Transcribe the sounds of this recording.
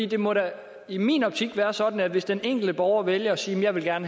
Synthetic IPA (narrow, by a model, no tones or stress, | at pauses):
ḭːd̥e̝mɒ̽ɾæ | imḭːnɒ̽b̥̚t͡sʰiɡ̥ʋæːɐsɒ̽d̥n̩æʋe̝sd̥eneŋ̰ɡ̥l̩d̥əb̥ɒʊɐʋeljɐɒ̽siːmjɑ̈ɪʋe̝lɡ̥æɐnə